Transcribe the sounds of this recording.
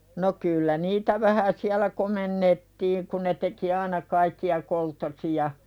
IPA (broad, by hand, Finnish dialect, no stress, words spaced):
no kylːæ niːtæ ʋæhæ siælæ komenːetːiːŋ ku ne teki ɑinɑ kɑikːiɑ koltːosijɑ